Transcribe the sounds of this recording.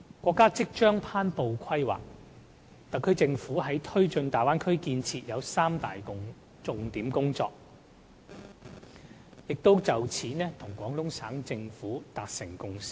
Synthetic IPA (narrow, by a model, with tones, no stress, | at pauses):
kʷɔː˧kːaː˥t͡sɪ˥k̚t͡ʃœː˥ŋpʰaː˥npo˨wkʷʰɐ˥jwa̰ː˨k̚ | t̪ɐ˨k̚kʰɵ˥ɥt͡sɪ˧ŋfuː˨˥ɦɐ˨˥jt̪ʰɵ˥ɥt͡ʃɵ˧nt̪aː˨jwaː˥nkʰɵ˥ɥkiː˧nt͡sʰiː˧t̚jɐ˨˧wsaː˥mt̪aː˨jkʊ˧ | t͡sʊ˨˧ŋt̪iː˨˥mkʊ˥ŋt͡sɔ̰ː˧k̚ | jɪ˨k̚t̪o˥wt͡sɐ˨wt͡sʰiː˨˥nɛː˥t̪ʰʊ˨˩ŋkʷɔː˨˥ŋlʊ˥ŋsaː˨˥ŋt͡sɪ˧ŋfuː˨˥t̪aː˨k̚sɪ˨˩ŋkʊ˧˥ŋsi̥˥